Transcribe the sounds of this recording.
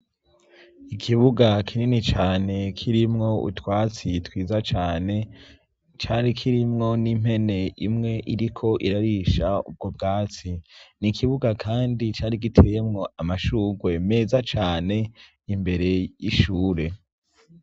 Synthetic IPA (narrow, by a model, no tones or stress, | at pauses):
ikʰiβuɡakʰininit͡ʃaːne̞kʰiɾimŋo̞ṵtwaːt͡sitwiːzat͡ʃaːne̞ | t͡ʃaːɾikʰiɾimŋo̞nim̥he̞ne̞ʔimŋe̞ʔiɾikʰo̞ʔiɾaɾiʃaṵb̚ɡo̞bɡaːt͡sinikʰiβuɡakʰaːndit͡ʃaːɾik̬itʰejemŋo̞amaʃuːɡwe̞me̞ːzat͡ʃaːne̞ | imbe̞ɾe̞jiʃuːɾe̞